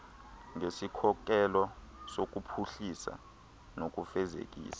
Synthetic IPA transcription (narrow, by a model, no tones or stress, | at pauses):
ŋesikʰɔk̬ʼɛlɔsok̬ʼupʰuɬisa̰ | nok̬ʼufɛzḛk̬ʼḭːsḁ